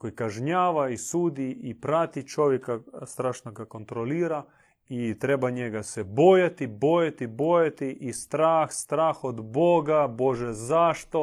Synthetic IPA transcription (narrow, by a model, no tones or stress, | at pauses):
kojkaʒɲaːʋaisuːd̪iipɾat̪it͡ʃo̞ʋjekast̪ɾaːʃnoɡako̞nt̪ɾo̞liːɾa | it̪ɾebaɲeɡasebo̞jat̪ibo̞jet̪ibo̞jet̪iʔist̪ɾaːxst̪ɾaːxod̪bo̞ɡabo̞ʒezaʃt̪o̞